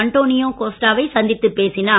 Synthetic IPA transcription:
ɐɳʈoːnɪjoːkoːsʈaːʋɐɪsɐnd̪ɪt̪ːɯpːeːsɪnaː

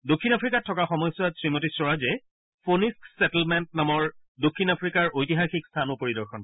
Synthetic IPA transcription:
dokʰːinapʰɹikatʰːɔkaxɔmɔjsɔasɹimotisɔɹazɛ | pʰonisksɛtlmɛntnamɔɹ | dokʰːinapʰɹikaɹojtiɦaxikst̪ʰanʊpoɹidɔɹxɔn

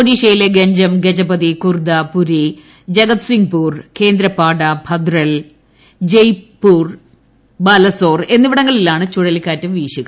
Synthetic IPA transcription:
poɖiːʂɐjileɡeɲd͡ʑɐmɡed͡ʑɐbɐðikurd̪ɐpuɾi | d͡ʑɐɡɐt̪siŋɡpuːrke̞ːnd̪ɾɐpːaːɽɐbʱɐd̪rɐl | d͡ʑejpːuːr | baːlɐso̞ːre̞nːiʋiɽɐŋːɐɭilaːɳɨt͡ɕuɽɐlikʲːaːtːɨmʋiːɕuɣɐ

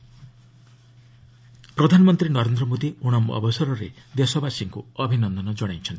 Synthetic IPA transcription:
pɾɔd̪ʱanɔmɔnt̪ɾinɔɾend̪ɾɔmod̪iuɽ̃ɔmɔ̰bɔsɔɾɔɾed̪esɔbasiŋkuɔbʱinɔnd̪ɔnɔd͡ʒɔɽajt͡ʃʰɔnt̪i̥

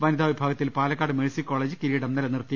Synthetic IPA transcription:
ʋɐnid̪ʱaːʋibʱaːɡɐt̪ːilpaːlɐkːaːɽɨmeɭsikːo̞ːɭeːd͡ʑɨkiɾiːɽɐmnɐlɐnirt̪ːi

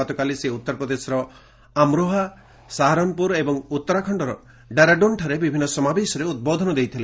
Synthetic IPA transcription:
ɔt̪ɔkaliseut̪ːɔɾpɾɔd̪esɔɾɔ | amɾoɦa | saɦaɾɔmpuɾebɔŋut̪ːɔɾakʰɔɳɖɔɾɔ | ɖaɾaɖonʈʰaɾebibʱinːɔsɔmabesɔɾeud̪̚bod̪ʱɔnɔd̪ejt̪ʰile

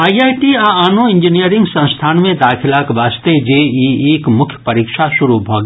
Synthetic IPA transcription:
aːiaːjʈiaaːnoɪ̃ɲd͡ʒinijəɾɪ̃ŋɡsɐ̃st̪ʰaːnmẽd̪aːkʰɪlaːkʋaːst̪ed͡ʒeːieːkmʊkʰjə̥pɐɾiːkʃaʃʊɾubʱoːɡː

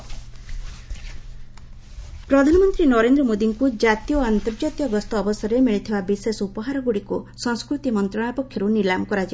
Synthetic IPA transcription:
pɾɔd̪ʱanɔmɔnt̪ɾinɔɾend̪ɾɔmod̪iŋkud͡ʒat̪ijɔant̪ɔɾd͡ʒat̪jɔɡɔst̪ɔːbɔsɔɾemiɭit̪ʰibabisesupɔɦaɾɔɡuɽikusɔŋskɾut̪imɔnt̪ɾɔɽ̃apɔkʰːjɔɾunilamkɔɾad͡ʒi

